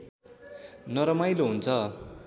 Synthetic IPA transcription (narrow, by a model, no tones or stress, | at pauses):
nʌɾʌmajloɦunt͡sʰʌ